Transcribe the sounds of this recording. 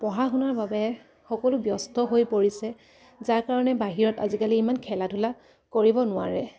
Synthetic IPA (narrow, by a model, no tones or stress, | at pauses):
pɔɦaxunaɹbabɛ | xɔkɔlʊbjɔstɔɦojpoɹisɛ | zaɹkaɹɔnɛbaɦiɹɔta̰zikaliːmankʰɛladʱula | koɹibɔnʊwaɹɛ